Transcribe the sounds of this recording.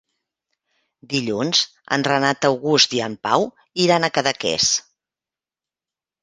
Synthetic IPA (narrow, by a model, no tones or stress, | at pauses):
d̪iʎunz̥ | ə̰nrənat̪əwɣust̪iampaw | iɾanəkəðəkɛ̰s